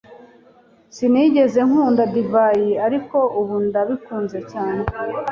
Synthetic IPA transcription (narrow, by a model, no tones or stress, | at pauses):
siniɟe̞ze̞ŋ̥huːndadivajiaɾiko̞uβundaβikuːnze̞caːne̞